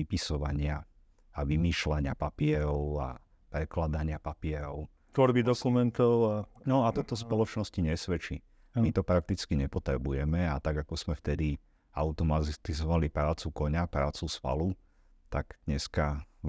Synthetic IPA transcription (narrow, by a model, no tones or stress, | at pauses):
ipisɔʋaɲɪa | aʋimiːʃlaɲɪa̰papɪɛɾɔʊa̰ | pɾɛklad̪aɲɪapapɪɛɾɔʊ | t̪ʋɔɾbid̪ɔkumɛnt̪ɔʊanɔat̪ɔt̪ɔspɔlɔt͡ʃnɔsciɲɛsʋɛt͡ʃi | amit̪ɔpɾak̚t̪it͡skiɲɛpɔt̪ɾɛbujɛmɛat̪aɡakɔz̥mɛft̪ɛd̪i | aʊt̪ɔmat̪izɔʋalipɾaːt͡sukɔɲapɾaːt͡susfa̰lu | t̪aɡd̪ɲɛska